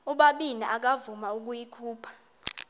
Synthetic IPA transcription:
uɓaɓiniʔak̬avumauk̬ʼujikʰuːpʰḁ

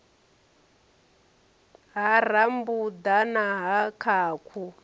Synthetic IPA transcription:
ɦar̤ambud̪anaɦakʰaːkʰu

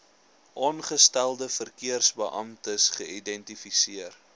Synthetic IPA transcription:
ʔɑːnχəstælˠdəfərkiərsbəʔɐmtəsχəidɛntifisiər

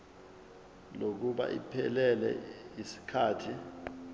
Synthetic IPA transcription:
lok̬uɓa̰ʔipʰɛlɛlɛ̰isi̥kʰaːtʰi

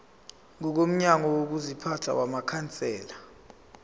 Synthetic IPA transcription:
ŋɔk̬om̩ɲaŋɔwok̬uzipʰatʰa̰wamakʰant͡sʼɛːla

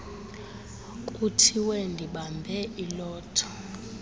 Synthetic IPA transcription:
kʼutʰiwɛndʱiɓambʱɛʔilɔːtʰɔ̥

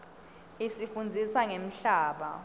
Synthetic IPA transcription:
isifund͡zʱiswaŋem̩ɬaːɓa̰

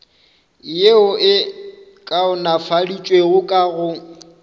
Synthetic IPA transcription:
ɪjeʊʔɪ | kʼaʊnafadit͡ʃʼweɣʊkʼaɣʊ

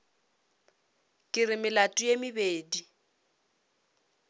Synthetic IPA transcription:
kʼɪrɪmɪlatʼʊjemɪbeːdi

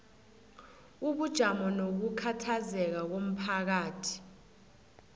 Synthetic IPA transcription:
uɓud̥ʒ̥ʱamɔnok̬ukʰatʰazɛk̬ak̬om̩pʰak̬aːtʰi̥

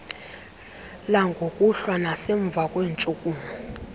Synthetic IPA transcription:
laŋɡʱokʼuɬwanaseɱb̪vʱakʼweːnt͡ʃʼukʼuːma

